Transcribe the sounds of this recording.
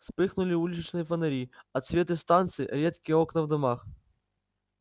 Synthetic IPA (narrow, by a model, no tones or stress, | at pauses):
spɪxnʊlʲɪulʲt͡ʃit͡ʃnɪjifɐnɐɾʲiɐsʲʋʲet̪ɪst̪ɑnt̪t͡sʲij̰ɾʲɛt̪kʲiɔknɐwd̪ɔmɑx